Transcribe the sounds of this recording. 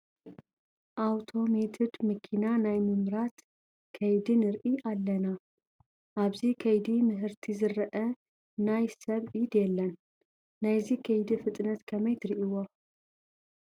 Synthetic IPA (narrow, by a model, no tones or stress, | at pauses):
ʔawt̪ʰo̞met̪ʰɨd̪mɐkʰinanajmɨmɾat̪ | kʰɐjd̪inɨɾʔiʔalːɐna | ʔaβzikʰɐjd̪imɨɦɨɾt̪ʰizɨɾɐʔɐ | najsɐβʔid̪jɛlːɐnː | ajzikʰɐjd̪ifɨt̪ʼnɐt̪kʰɐmɐjt̪ʰɨɾiʔiwo